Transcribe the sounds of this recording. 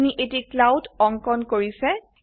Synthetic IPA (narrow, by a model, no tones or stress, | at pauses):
niʔetiklawdɔŋkɔnkoɹisɛ